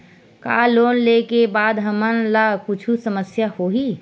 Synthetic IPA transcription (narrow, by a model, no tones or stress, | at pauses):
ka̰loːnlekebaːd̪ɦəmənlakʊt͡ʃʰusəməsjahoɦi